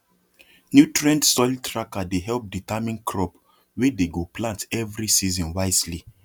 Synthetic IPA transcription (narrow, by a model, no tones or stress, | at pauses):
njutɹɛ̃ndsɔltʰɹakadeɦɛlp̚ditamĩnkʰɹɔp | wedeɡoplãntɛvɾisizɔ̃nwaɪsli